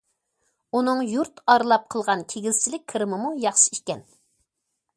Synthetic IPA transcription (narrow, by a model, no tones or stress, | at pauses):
unɨŋjuɾt̪ɑɾɨlˠɑp̚qʰəlˠʁɑnkʲʰeɡʲizt͡ʃʰilɪkʲʰɨɾɨmɨmujɑχʃɨ̥iʃkʲɛn